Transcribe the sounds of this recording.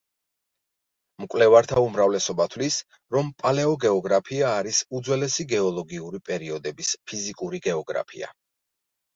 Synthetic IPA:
mkʼwlɛvaɾt̪ʰaumɾavlɛsɔbat̪ʰwlis | ɾɔmpʼalɛɔɡɛɔɡɾapʰiaːɾisud̪zwɛlɛsiɡɛɔlˠɔɡiuɾipʼɛɾiɔd̪ɛbispʰizikʼuɾiɡɛɔɡɾa̰pʰḭa̰

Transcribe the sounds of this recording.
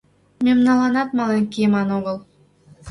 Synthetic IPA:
mʲemnɑlˠɑnɑt̪mɑlˠeŋʲkʲimɑnoʁəlˠ

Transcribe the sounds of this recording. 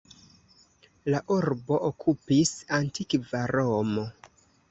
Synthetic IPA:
laʔuɾbo̞ʔokʰupisantikvaɾomo

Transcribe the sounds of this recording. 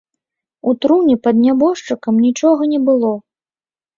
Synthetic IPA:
ut̪ɾunʲɛpɐd̪nʲabɔʂt͡ʂɨkɐmnʲit͡ʂɔɣɐnʲɛbɨlˠɔ

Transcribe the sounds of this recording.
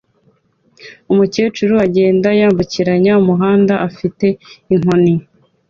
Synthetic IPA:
umuce̞ːt͡ʃuɾuaɟe̞ːndajaːmbuciɾaɲaumuɦaːndaʔafite̞iŋ̥oni

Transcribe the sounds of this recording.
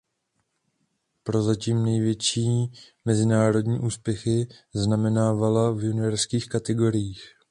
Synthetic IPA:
pɾo̞zaciːmnɛjvjɛt͡ʃiːmɛzɪnaːɾo̞dɲiːʔuːspjɛxɪznamɛnaːvalavjunɪvɛɾskiːxkat̪ɛɡo̞ɾɪjiːx

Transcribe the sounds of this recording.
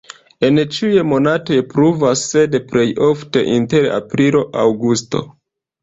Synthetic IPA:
e̞nt͡ʃijemo̞natojepɾuvasːe̞depɾe̞jo̞fte̞̰ʔinte̞ɾa̰pɾilo̞ʔawɡusto̞̰

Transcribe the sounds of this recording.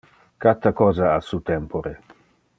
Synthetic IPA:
kat̪ːakɔːzaasut̪ɛmpoɾe

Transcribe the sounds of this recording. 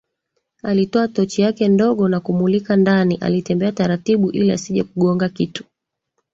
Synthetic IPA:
alitɔatɔt͡ʃijakɛndɔɠɔnakumulikandaniʔa̰litɛmbɛataɾatiɓuʔiliasiʄɛkuɠɔŋɡakitu̥

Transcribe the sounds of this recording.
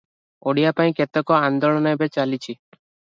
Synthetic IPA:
oɽijapaĩket̪ekɔand̪ɔɭɔnɔbet͡ʃalit͡ʃʰi

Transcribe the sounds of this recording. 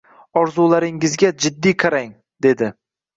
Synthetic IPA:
ɒɾzulaɾɪŋɪzɡʲad͡ʒɪd̪ːijqʰaɾaŋ | d̪̥e̞d̪ɪ

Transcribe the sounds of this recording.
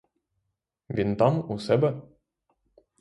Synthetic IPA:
vʲint̪ɑmusɛbɘ

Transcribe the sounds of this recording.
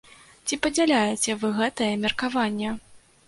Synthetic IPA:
t͡sʲipɐd͡zʲalʲajɛt͡sʲɛvɨɣɛt̪ɐjɛmʲɐrkavanʲːɛ

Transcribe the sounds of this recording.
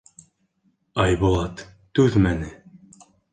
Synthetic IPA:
ɑjbolˠɑt̪ː | ʉðmænɘ

